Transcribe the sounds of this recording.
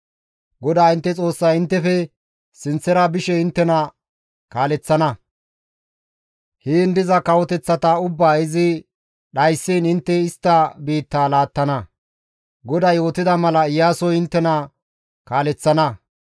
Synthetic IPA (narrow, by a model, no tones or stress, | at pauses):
ɡɔd̪aːɪnt̪ːɛt͡sʼo̞ːsːɐjɪnt̪ːɛfɛ | sɪnt͡sːɛɾɐbɪʃɛɪnt̪ːɛnɐ | kaːlɛt͡sːɐnɐ | heːnd̪ɪzɐkɐwɔt̪ɛt͡sːɐt̪ɐʊbːaːɪzɪ | ɗɐjsːiːnɪnt̪ːɛɪst̪ːɐbiːt̪ːaːlaːt̪ːɐnɐ | ɡɔd̪ɐjo̞ːt̪ɪd̪ɐmɐlɐɪjːaːsɔjɪnt̪ːɛnɐ | kaːlɛt͡sːɐnɐ